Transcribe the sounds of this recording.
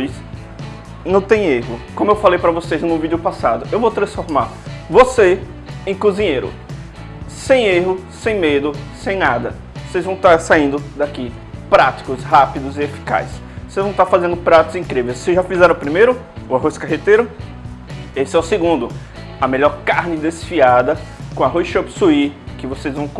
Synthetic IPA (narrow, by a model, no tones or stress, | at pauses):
js | nɐ̃w̃t̪ẽj̃eɦʊkõmʊewfalejpɾɐvosejznʊvid͡ʒʊpasad̪ʊewvowt̪ɾɐ̃sfoɾmaɾ | vose | ẽj̃kuzĩɲejɾʊ̰ | sẽj̃eɦʊsẽj̃med̪ʊsẽj̃nad̪ɐ | osejzvɐ̃w̃t̪aɾsaĩnd̪ʊd̪aki | pɾat̪i̥kʊsɦapid̪ʊzɪefi̥ka̰js | vosejzvɐ̃w̃t̪aɾfazẽnd̪ʊpɾat̪ʊzĩkɾivejssezʒafizɛɾɐ̃ʊpɾimejɾʊ | ʊaɦojskaɦet̪eɾʊ | esɪɛʊsɪɡũnd̪ʊ | ɐmeʎɔɾkaɾnɪd̪esfiad̪ɐkõaɦojsʃopsuikɪvosejzvɐ̃w̃